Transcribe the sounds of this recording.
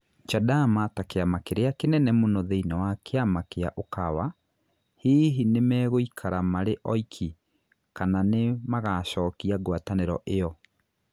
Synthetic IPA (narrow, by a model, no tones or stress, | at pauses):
t͡ʃadamatakeamakeɾeakenɛnɛmonɔðeinawakeamakeaʔokawa | hiːɦinemɛːɣoikʰaɾamaɾeʔɔikʰi | kananemaɣaɕɔːkiaɡwataneɾɔʔejɔ